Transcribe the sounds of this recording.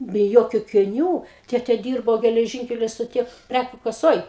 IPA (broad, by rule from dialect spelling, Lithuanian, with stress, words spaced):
bʲɛ ˈjoːkʲʊ ɐkʲɪˈnʲuː ˈtʲeːtʲeː ˈdʲiːrboː ɡʲɛlʲɛˈʒʲiːŋʲkʲɛlʲoː stoːˈtʲiː ˈpʲrʲækʲuː kɐˈsoːj